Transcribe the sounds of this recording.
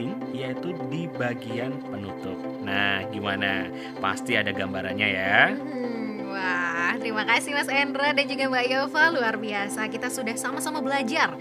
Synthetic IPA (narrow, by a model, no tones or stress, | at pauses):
ɪŋ | jait̪udibaɡianpənut̪ʊp̚nahɡimana | pa̰st̪iadaɡambaɾa̰nɲaja | waht̪əɾimakasɪhmasɛndɾədand͡ʒuɡabajafaluarbiasakit̪asudahsamasamabəlad͡ʒar